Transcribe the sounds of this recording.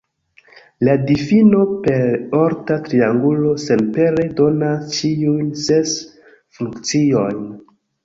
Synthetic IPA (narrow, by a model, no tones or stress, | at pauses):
ladifino̞pe̞ɾo̞ɾtatɾiaŋɡulo̞se̞npe̞ɾe̞do̞nast͡ʃiujnse̞s | fukt͡sio̞jn